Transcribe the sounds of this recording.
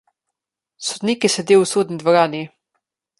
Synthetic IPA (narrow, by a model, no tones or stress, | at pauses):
sod̪niːkisɛd̪eːwsoːd̪nid̪vɔɾaːni